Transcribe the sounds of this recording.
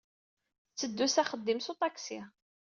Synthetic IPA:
t͡sːəd̪ːusæχəd̪ːimsut̪ˤɑksɪ

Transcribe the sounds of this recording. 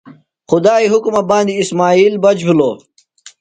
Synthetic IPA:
xʊd̪aːiɦukmɐbãːnd̪iːsmaːiːlbɐd͡ʑbuloː

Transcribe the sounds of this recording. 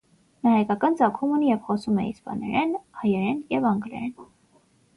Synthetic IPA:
nɑhɑjkɑkɑnt͡sɑkʰumunijɛvχɔsumɛḭspɑ̰nɛ̰ɾɛnhɑjɛɾɛnjɛvɑŋɡlɛ̰ɾɛn

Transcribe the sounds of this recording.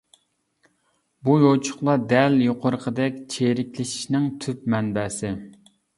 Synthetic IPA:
bujot͡ʃʰʊ̥χlˠɑd̪ɛljoqʰoɾəqʰəd̪ɛkʲt͡ʃʰeɾɪkʲlɪʃi̥ʃnɪŋt̪ʰyp̚mɛnbɛːsɪ

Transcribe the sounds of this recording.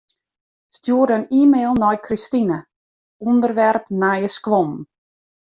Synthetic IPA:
stjuːəɾəniːmeːlˠnɔjkʰristinə | undərʋɛrpnajəskʋɔm

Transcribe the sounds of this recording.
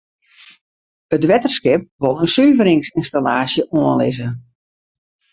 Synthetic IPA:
ətʋɛtərskɪp̚ʋolˠənsyːvəɾɪŋsɪnstalaːsjəʔoənlɪzə

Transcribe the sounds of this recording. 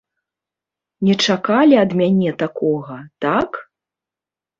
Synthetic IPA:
nʲɛt͡ʂakalʲiɐd̪mʲanʲɛt̪akɔɣɐt̪ak

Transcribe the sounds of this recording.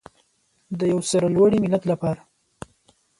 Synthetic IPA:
d̪əjawsaɾalwaɽimɪlad̪lapɑɾa

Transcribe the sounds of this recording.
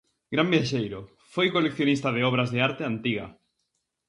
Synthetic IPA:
ɡ̥ɾambjaʃejɾo | fojkolekθjonist̪aðeɔβɾazðeaɾt̪eant̪iɣa̰

